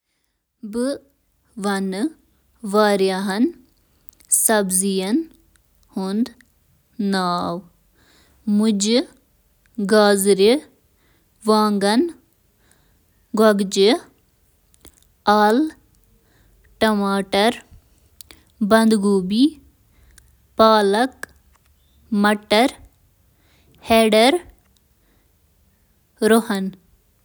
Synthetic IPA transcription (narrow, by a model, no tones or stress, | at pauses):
bɨ | ʋɐn | ʋaːɾjaɦɐn | sɐbzijɐn | hund̪ | naːw | mʊd͡ʒ | ɡaːzɾi | ʋaːŋɡɐn | ɡɐɡd͡ʒi | aːl | ʈɐmaːʈɐɾ | bɐnd̪ɡuːbi | paːlɐk | mɐʈɐɾ | heːɖɐɾ | ɾohɐn